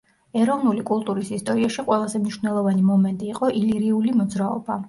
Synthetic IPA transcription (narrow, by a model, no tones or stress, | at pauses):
ɛɾɔvnulikʼulˠt̪ʼuɾisist̪ʼɔɾiaʃiqʼwɛlˠazɛmniʃvnɛlˠɔvanimɔmɛnt̪ʼiːqʼɔʔiliɾiulimɔd̪zɾaɔba